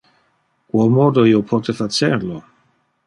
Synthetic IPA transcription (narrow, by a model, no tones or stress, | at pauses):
kwɔlmɔd̪oiopʰɔt̪efat͡ʃɛɾlo